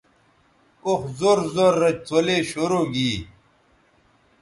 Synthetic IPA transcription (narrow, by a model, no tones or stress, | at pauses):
oxzoɾzoɾːɐt͡ɕ̚t̪ʰoleːɕoɾoɡiː